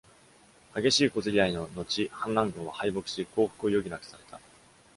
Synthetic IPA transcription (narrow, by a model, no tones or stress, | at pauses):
haɡe̞ɕiːko̞zɨɾʲiaino̞no̞t͡ɕihãnɾãŋɡɯ̟̃ɰ̃βahaimo̞kɯ̟̥ɕiko̞ːɸɯ̥kɯ̟o̞jo̞ɡʲinakɯ̥saɾe̞t̪a